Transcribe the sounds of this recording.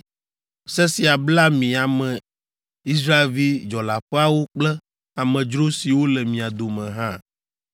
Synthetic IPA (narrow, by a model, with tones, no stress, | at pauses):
sɛ˦si˨a˨bla˦mĩ˨a˨mɛ̃˨ | i˦s̬ɾa˦e˨lvi˦d͡ʒɔ˨la˨ɸɛ˦a˦wo˦k͡plɛ˦ | a˨mɛ̃˨d͡ʒɾo˦si˨wo˦lɛ˨mĩ˨a˨d̪o˨mɛ̃˨ɦã˦